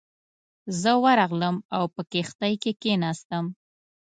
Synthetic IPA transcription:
zəwaɾɑɣləmawpəkext̪ajkekenɑst̪əm

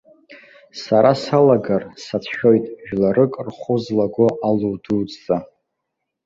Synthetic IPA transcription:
saɾasalaɡarsat͡sʰʃᶣo̞jtʼʒᶣlarɨkʼrχʷʊzlaɡʷoʔaluduːzʼa

